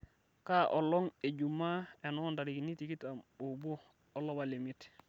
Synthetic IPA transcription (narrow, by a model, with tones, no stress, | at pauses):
ka˦ʔɔ˨lːɔ˦ŋe˨ɟumːa˦e˨nɔnda˨ɾi˨ki˨ni˦ti˨ki˦tamubu˦ | ɔ˦lːɔ˦bali˨mi˦t